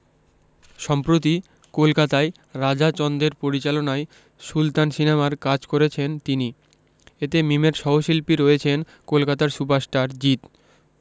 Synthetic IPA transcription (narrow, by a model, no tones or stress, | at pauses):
ʃɔmpɾot̪̬i | kolkat̪ae | ɾad͡ʑat͡ɕɔnd̪eɾpoɾit͡ɕalonae | ʃult̪ansinemaɾkad͡ʑkoɾet͡ɕʰent̪ini | et̪emimeɾʃɔɦoʃilpiɾojet͡ɕʰen | kolkat̪aɾsupaɾsʈaɾd͡ʑit̪